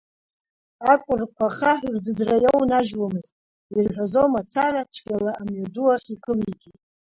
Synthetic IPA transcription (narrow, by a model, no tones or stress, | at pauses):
akʷʼʊrkʷʰaχaħrdɨdrajownaʒwamɨztʼ | irħᶣʷazo̞wmat͡sʰaɾat͡ʃʷʰɡʲalaʔamɥaduaχʲikʰɨliɡʲi